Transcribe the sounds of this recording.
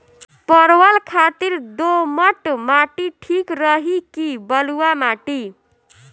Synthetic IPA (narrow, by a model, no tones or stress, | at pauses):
pəɾwəlkʰat̪iɾd̪oməʈmaʈiʈʰikɾəɦikibəluwamaʈi